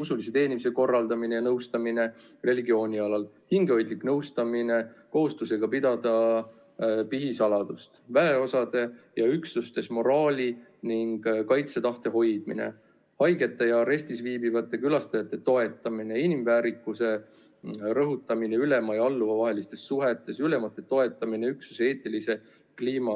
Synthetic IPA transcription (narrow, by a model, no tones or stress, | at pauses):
usulise̞t̪e̞ːnimiseko̞rːɑld̪̥ɑmine̞jɑnɤwst̪ɑmine̞ | re̞liɡio̞ːnʲiɑlɑlhiŋɡeojd̪̥liknɤwst̪ɑmine̞ko̞ɦust̪use̞ɡ̥ɑpid̪̥ɑd̪̥ɑ | piɦisɑlɑd̪̥ust̪væeo̞sɑd̪̥e̞jɑyksust̪e̞smo̞ɾɑːlʲiniŋɡ̥kɑjt̪set̪ɑht̪e̞ɦo̞jd̪̥̚mḭnḛ | hɑjɡe̞t̪ːˑe̞jɑɾe̞sʲt̪isviːbivɑt̪ːˑe̞kylɑst̪ɑjɑt̪ːˑe̞t̪o̞e̞t̪ːˑɑmine̞inimvæːɾikːˑuse̞ | ɾɤɦut̪ːˑɑmine̞yle̞mɑjɑlːuvɑvɑɦe̞list̪e̞sːuɦe̞t̪ːˑe̞syle̞mɑt̪ːˑe̞t̪o̞e̞t̪ːˑɑmine̞yksuse̞ːt̪ːˑilise̞ | kliːmɑ